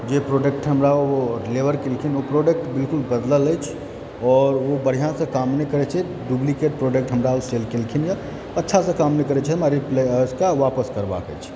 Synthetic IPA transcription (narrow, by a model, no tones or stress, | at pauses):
d͡ʒepɾoɖek̚ʈɦəmɾaoleʋəɾkelkʰinopɾoɖək̚ʈbɪlkʊlbəd̪lələjt͡ʃʰ | ɔːɾʋobəɽ̤ijãsẽkaːmnekəɾɛt͡ʃʰɛ | ɖublikeʈ̚pɾoːɖek̚ʈɦəmɾaoselkelkʰinja | ətːʃʰasẽkaːmnekəɾɛt͡ʃʰɛɦmaɾipleskaʋaːpəskəɾba̰kə̰t͡ʃʰ